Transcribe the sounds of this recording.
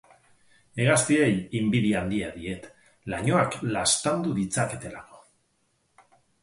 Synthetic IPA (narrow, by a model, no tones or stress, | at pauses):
e̞ɣast̪ie̞jimbiðiand̪iaðie̞t̪ | laɲo̞aklast̪and̪uðit͡sake̞t̪e̞lako̞̥